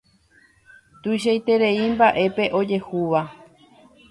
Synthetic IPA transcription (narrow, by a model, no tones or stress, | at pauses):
t̪ujʃ̬ajt̪e̞ɾe̞imbaʔe̞pe̞ʔo̞d͡ʒe̞huʋa